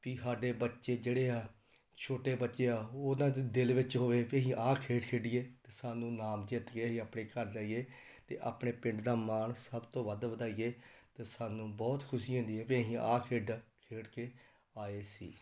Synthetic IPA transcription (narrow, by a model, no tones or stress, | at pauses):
piːsaːɖeːbətːʃeːd͡ʒeːɽeːaː | t͡ʃʰoːʈeːbətːʃeːaːoːd̪ãːd̪ɪlʋɪt͡ʃɦoːʋeːpiə̃ɦĩːʔaːkʰeːɖkʰeːɖɪjeːt̪eːsaːnũːnaːmd͡ʒɪt̪ɡeɦĩːaːpɳeːkəɾd͡ʒaːiɡeː | t̪ḛːʔa̰ːpɳeːpɪ̃ɳɖd̪aːmaːɳsəbt̪õːʋəd̪ʋəd̪aːiːɡeːt̪eːsaːnũːbɔːt̪kʰʊsiːɦõːnd̪iːɛːpiə̃ɦĩːʔaːkʰeːɖkʰeːʈkeː | aːeːsḭː